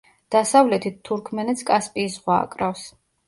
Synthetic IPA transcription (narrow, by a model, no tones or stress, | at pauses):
d̪̥asavlɛt̪ʰit̪ʰːuɾkʰmɛnɛt̪sʰkʼaspʼiːsʁwa̰ːkʼɾafs